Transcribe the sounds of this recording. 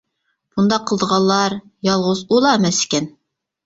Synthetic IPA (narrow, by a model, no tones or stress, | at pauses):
b̥und̪ɑqʰːəlˠd̪əʁɑlˠːɑɾjɑlˠʁuzulˠɑemɛsɪ̥kʲɛn